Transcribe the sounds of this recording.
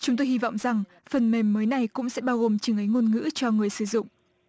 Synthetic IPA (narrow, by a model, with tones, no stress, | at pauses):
t͡ɕʊ˨˦ŋ͡mt̪o˧jhi˧vɔ̰˧˨wŋ͡mza˨˩ŋ | fə˨˩nme˨˩mːəː˨˦jna˨˩jkʊ̰˧˥ŋ͡msɛ̰˧˥ɓaː˧wɣo˨˩mt͡ɕɨ˨˧˦ŋʔə˨˦jŋo˧nŋɨ̰˧˥t͡ɕɔ˧ŋɨ˨˩əjsɨ˧˩zʊ̰˧˨ŋ͡m